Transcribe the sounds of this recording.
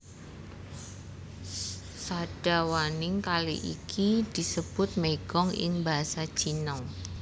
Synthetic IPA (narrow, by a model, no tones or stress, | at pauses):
sad̥awanɪŋkalḭʔḭkʰid̥isəb̥ʊt̪̚meɡ̥ɔŋɪ̰ŋbaɦasḁd͡ʒ̥inɔŋ